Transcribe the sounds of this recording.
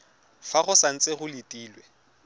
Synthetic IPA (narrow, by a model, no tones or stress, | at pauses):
faχʊsan̩t͡sʼeχʊlitʼiːlwɛ